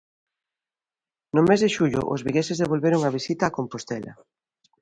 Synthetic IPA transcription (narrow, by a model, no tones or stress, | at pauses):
nʊmezðeʃuʎʊ̰ʔʊ̰zβiɣesɪzðeβ̞olβeɾʊŋaβisit̪aːkompost̪ɛlɐ̰